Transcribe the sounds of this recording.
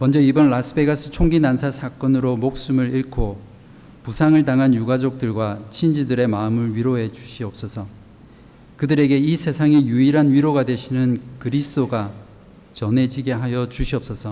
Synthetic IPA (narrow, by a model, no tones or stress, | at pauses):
mʌnd͡ʑʌibʌnlasʰɯbe̞ɡasʰɯt͡ɕʰoŋɡinansʰasʰak͈ʌnɯɾomok̚s͈umɯɾiɭkʰo | pusʰaŋɯɭtaŋɦanjuɡad͡ʑok̚t͈ɯɭɡwat͡ɕʰind͡ʑidɯɾe̞maɯmɯɭɥiɾoɦe̞d͡ʑuɕʰiʌp̚s͈ʌsʰʌ | kɯdɯɾe̞ɡe̞isʰe̞sʰaŋejuiɾɦanɥiɾoɡadwe̞ɕʰinɯnkɯɾisʰɯd͈oɡa | t͡ɕʌne̞d͡ʑiɡe̞ɦajʌd͡ʑuɕʰiʌp̚s͈ʌsʰʌ